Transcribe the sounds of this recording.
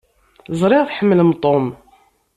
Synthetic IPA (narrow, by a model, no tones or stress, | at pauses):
zˤɾˤɪʁθħəmːələmt̪ˤom